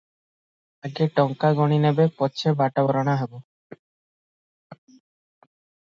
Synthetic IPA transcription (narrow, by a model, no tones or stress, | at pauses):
aɡeʈɔŋkaɡɔɽ̃inebepɔt͡ɕʰebaʈabɔɾɔɽ̃aɦebo